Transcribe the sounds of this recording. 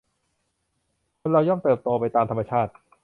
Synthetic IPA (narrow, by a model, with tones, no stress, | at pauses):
kʰo˧nɾa˧wjɔ˥˩mt̪ɤː˨˩p̚t̪oː˧pa˧jt̪aː˧mt̪ʰa˧ma˧t͡ɕʰaː˥˩t̪̚